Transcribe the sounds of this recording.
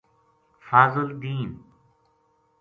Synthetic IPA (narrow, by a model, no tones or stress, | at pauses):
faːzʊld̪iːn